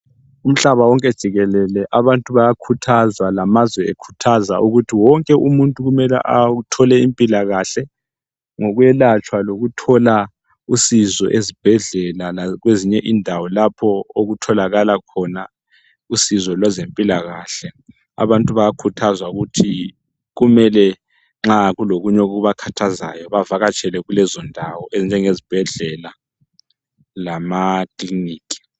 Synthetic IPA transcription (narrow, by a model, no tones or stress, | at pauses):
um̩ɬaβawɔŋkʼɛd̥ʒ̥ʱiɣɛlɛlɛʔaβantʼuβajakʰutʰazwalamazwɛekʰu̥tʰazaʔuɣutʰiwɔŋkʼɛʔumuntʼuɣumɛlɛ̰ʔatʰɔlɛimpʼilaɣaɬɛ | ŋɔɣwɛlat͡ʃʼwaloɣutʰɔla | usizɔʔezib̥ʱɛɮɛlalaɣweziɲɛʔindʱawɔlapʰɔoɣutʰɔlaɣalakʰɔna | usizɔlwazempʼilaɣaɬɛ | a̰βantʼuβajakʰutʰazwauɣutʰi | ɣumɛlɛ | ŋ͡ǁaɣuloɣuɲoɣuβakʰatʰaza̰jɔβavaɣat͡ʃʰʼɛlɛɣulɛzɔndʱawɔeznd͡ʒʱɛŋezib̥ʱɛɮɛla | lamakʼliniːkʰʼi̥